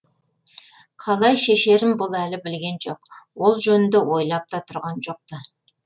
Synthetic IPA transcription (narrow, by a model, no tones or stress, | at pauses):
qʰɑlˠɑjʃe̞ʃe̞ɾɪmbʊlˠælɪbɪlɡʲe̞nʒo̞qwo̞lˠʒɵnɪnd̪ewo̞jlˠɑp̚t̪ɑt̪ʰʊɾʁɑnʒo̞q̚t̪ə